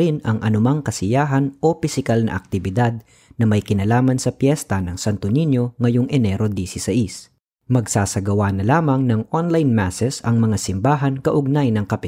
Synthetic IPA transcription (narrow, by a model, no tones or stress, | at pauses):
ɪnɐŋʔɐnʊmaŋkɐsɪjaːɦɐnʔo̞pɪsɪkalnɐ̰ʔɐk̚t̪ɪbɪd̪ad̪̚ | nɐmɐjkɪnɐlaːmɐnsɐpjɛst̪ɐnɐŋsant̪ʊninjo̞ŋɐjoŋʔɛnɛɾod̪isisɐʔis | mɐɡsaːsɐɡɐwanɐlaːmɐŋnɐŋʔonlajnmasɛsɐŋmɐŋasɪmbaːɦɐnkɐʔʊɡ̚najnɐŋkɐpɪ